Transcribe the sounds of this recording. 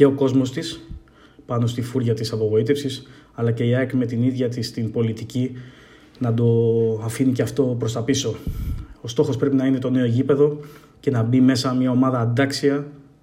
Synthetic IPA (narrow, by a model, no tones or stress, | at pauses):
ce̞o̞ko̞zmo̞st̪is | pɐno̞st̪ifuɾʝɐt̪isɐpo̞ɣo̞it̪e̞fsis | ɐlɐce̞iɐkme̞t̪iniðʝɐt̪ist̪inpo̞lit̪ici | nɐd̪o̞ɐfiniceɐft̪o̞pɾo̞st̪ɐpiso̞ost̪o̞xo̞spɾe̞pinɐine̞t̪o̞ne̞oʝipe̞ðo̞ | ce̞nɐbime̞sɐmɲɐo̞mɐðɐːnd̪ɐksiɐ